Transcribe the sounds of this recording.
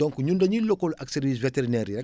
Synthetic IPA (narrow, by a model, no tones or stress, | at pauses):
dɔ̃ŋkɲundɐɲilɔkɔlɐksɛɾviːs̬veteɾinɛɾjɐ